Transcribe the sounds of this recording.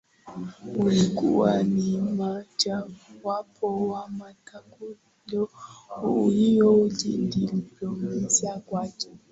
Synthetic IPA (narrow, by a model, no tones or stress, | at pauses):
ulikʼṵwanimad͡ʒawapʰɔwamatʰaku | lɔujijɔud͡ʒindiliplɔmasiakwakɛ̥